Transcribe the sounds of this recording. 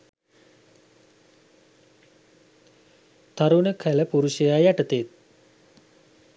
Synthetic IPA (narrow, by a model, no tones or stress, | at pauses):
t̪aɾunəkʰæləpuɾuʃəjajaʈət̪et̪̚